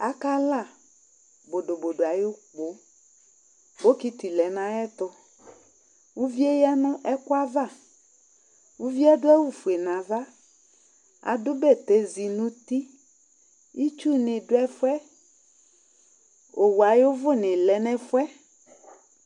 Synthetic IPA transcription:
a˦ka˦la˦˨ | bo˨do˨bo˨ɖo˨a˨jo˦k͡po˨ | bo˦ki˦t̪i˨lɛ˨nã˦ɛ˦t̪ʊ˦ | wu˦vi˦e˦ja˦nʊ̃˦ʔɛ˦kʊ˦a˦va˦˨ | wu˦vi˦ɛ˦dʊ˦ɛ˦wu˦fu˨e˨nã˨va˦ | a̰˨dʊ˦bɛ˦˨t̪e˦zi˨nũ˦t̪i˦ | i˦t͡ʃu˦nɪ̃˨dʊ˦ɛ˦fʊ˦ɛ˦ | o˨wu˨a˨jo˦vʊ˦nɪ̃˨lɛ˨nɛ̃˦fʊ˦ɛ˦

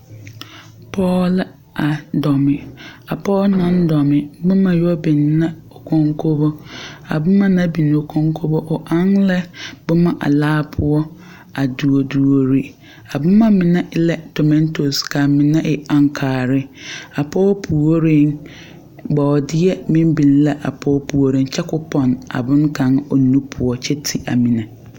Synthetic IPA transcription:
pʰɔː˦l | a˨dɔ˨mɪ̃˨a˨pʰɔ˦nã˦n˦dɔ˨mɪ̃˨˦bʊ̃˦mã˨jɔ˦bi˨nː˦ã˦ɔ˨kʰɔ̃˨ŋkʰo˦bɔ˦a̰˨bʊ˦mã˨nã˦bi˨n˨o˨kʰɔ̃˦ŋ˦kʰo˦bɔ˦ʔɔ˨ʔã˦nlɛ˦bʊ˦mã˨ʔa̰˨laː˦pʰʊ˦ɔ˦ | a˨du˨o˨du˨o˨ɾi˨ | a˨bʊ̃˦mã˦mɪ̃˨nã˦ʔɪ˦lɛ˦tʰɔ˨mɛ̃˦ntʰo˨skʰã˨mɪ̃˨nã˦ʔɪ˨ã˨ŋkʰaː˨ɾɪ˦a˨pʰɔː˦pʰu˨o˦ɾɪ˦n | bɔ˨ɔ˨dɪ˦ɛ˦mɪ̃˦m˦bĩ˨nlɛ˦ʔa̰˨pʰɔː˦pʰu˨wo˦ɾɪ̃˦n˦t͡ɕʰɛ˦kʊ˦pʰɔ̃˨na̰˨bʊ̃˦ŋkʰã˨ŋɔ˨˦nũ˦pʰʊ˨ɔ˦t͡ɕʰɛ˦tʰi˨ʔa̰˨mĩ˨nã˨

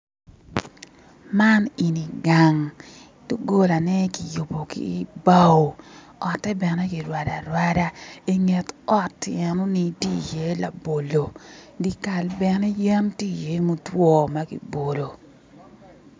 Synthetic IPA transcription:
ma˦ni˨ni˨ɡa˨ŋ | to˦ɡo˦la˨nɛ˦ki˨jo˨bo˨kḭ˦˨˦ba˦wo˨ | ɔ˨tːɛ˦bɛ˨nɛ˦ke˨ɾwa˨da˨ɾwa˦da˦i˦ŋe˨tɔ˦tːɛ˨nɔ˦ni˦ti˦˨je˦la̰˨bo˨lo˨di˦ka˨lbɛ˨nɛ˦ja˦mti˦˨je˨˦mo˦twɔ˦ma˦kḭ˨bo˨lo˨

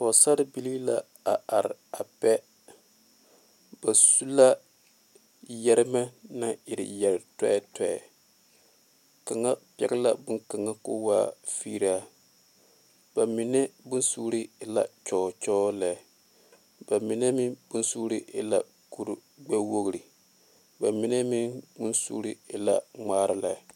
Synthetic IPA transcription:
fɔ˨sa˦ɾɪ˦bi˦li˦la˦ | a˨a˨ɾɪ̰˨a˨pɛ˦ | b̥a˨su˦la˦ | jɛ˦ɾɪ˦ma˦na˦ɪ˨ɾɪ̰˨jɛ˨ɾtɛ̰˦tɛ˨ɛ̰˨ | ka˨ŋa˦pɛ̰˨ɡɪ˦la˦bʊ˦ŋka˨ŋa˦kʊ̰˦wa̰ː˦fi˦ɾa˦ | ba˨mi˨nɛ˦bʊ˦nsuː˦ɾi˦ɪ˨la̰˨t͡ʃɔː˨t͡ʃɔː˦la˨ | b̥a˨mi˨nɛ˦mi˦bʊ˦nsuː˦ɾi˦ʔɪ˦la̰˨ | ku˦ɾ | ɡ͡bɛ˦wo˦ɡɨ˨ɾi˨ | ba˨mi˨nɛ˦mi˦bʊ˦nsṵː˦ɾi˦ɪ˨la̰˦ŋ͡maː˦ɾɪ˦la˨˦˨

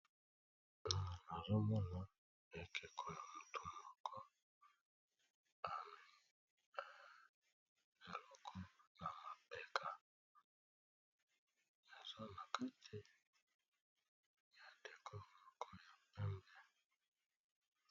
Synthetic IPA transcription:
na˨na˨zɔ˦mɔ˦na˦ | e˨kʰe˨kʰɔ˨ja˨mu˨tu˨mɔ˨kʰɔ˦ | a˨nɪ˨ | e˨lɔ˨kʰɔ˦na˨ma˨pɛ˨kʰa˨ | ja˨za˦na˨ka˦tʰe˦ | ja˨de˨kʰɔ˦˨lɔ˨kʰɔ˦ja˨pɛ˦m˦bɛ˨

